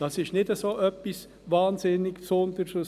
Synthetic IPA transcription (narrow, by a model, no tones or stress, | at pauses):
d̥ɑsɪʃtnɪdəsoːʔœpːɪs | vɑːnzɪnɪɡsɔnd̪əɾso